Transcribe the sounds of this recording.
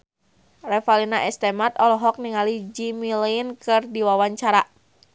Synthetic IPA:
rɛfalinaʔɛst̪ɛmat̪ɔlɔɦɔk̚niŋalid͡ʒimilɛnkɨrdiwawaɲt͡ʃaɾa

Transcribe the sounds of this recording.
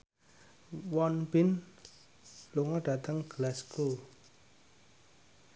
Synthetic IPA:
wɔnbɪn | luŋɔɖ̥a̤t̪əŋɡ̥lasko

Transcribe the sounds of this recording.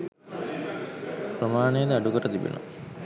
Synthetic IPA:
pɾəmaːnejəd̪əaɖukəʈət̪ibḭno̰

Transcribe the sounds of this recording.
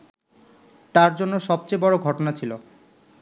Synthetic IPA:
t̪aɾd͡ʑonːoʃɔb̚t͡ɕebɔɽoɡʱɔʈonat͡ɕʰilo

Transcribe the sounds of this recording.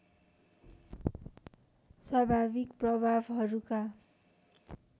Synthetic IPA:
swabʱabikprʌbʱabɦʌɾuka

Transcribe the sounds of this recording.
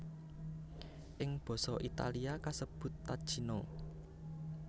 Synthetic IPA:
ʔɪŋb̥ɔ̤sɔʔit̪a̰liakasəb̥ʊ̤t̪ːad̥ʒ̥i̤no

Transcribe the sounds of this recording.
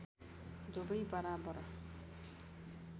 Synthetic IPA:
d̪obʌjbʌɾabʌɾ

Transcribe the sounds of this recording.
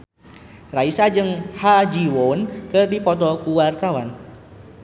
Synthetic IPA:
raisad͡ʒɨŋhad͡ʒiwonkɨrdipɔt̪̬ɔkuwart̪awan

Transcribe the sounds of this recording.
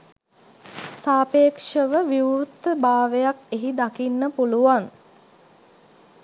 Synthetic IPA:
saːpeːkʂəʋəʋiwɾut̪ːəbaːʋejakeɦid̪akinːəpuluʋaŋ

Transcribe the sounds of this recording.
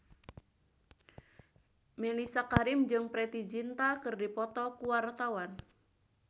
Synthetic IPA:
melisakaɾɪmd͡ʒɨŋpɾet̪id͡ʒint̪akɨrdipɔt̪ɔkuwart̪awan

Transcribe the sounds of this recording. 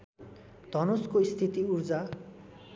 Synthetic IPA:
d̪̥ʱʌnoskoist̪ʰit̪iurd͡za

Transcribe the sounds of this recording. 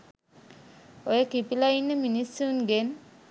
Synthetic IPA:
ojəkipilainːəminisːunɡen

